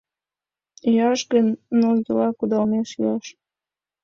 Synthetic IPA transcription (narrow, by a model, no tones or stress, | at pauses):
jɑʃɡənːolzəlɑkud̪ɑlmeʃjɑʃ